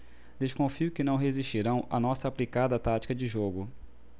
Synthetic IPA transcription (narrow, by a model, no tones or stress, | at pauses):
d̪eʃkõfiʊkɪnɐ̃w̃ɦeziʃt͡ʃiɾɐ̃w̃ɐ̰nɔsɐːplikad̪ɐt̪at͡ʃi̥kɐd͡ʒɪʒoɡʊ